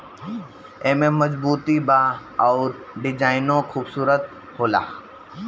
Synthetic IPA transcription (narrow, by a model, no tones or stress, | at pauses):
eːmẽməzbuːt̪ibaɔːɾ | ɖɪd͡ʒaːɪnõkʰuːbsuːɾət̪̚ | hoːla̰ː